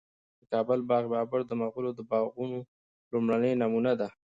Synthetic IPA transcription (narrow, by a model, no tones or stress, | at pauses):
d̪̥əkɑbəlbɑɣbɑbaɾd̪əmaɣulod̪əbɑɣuno | lumɽanəjnamunad̪a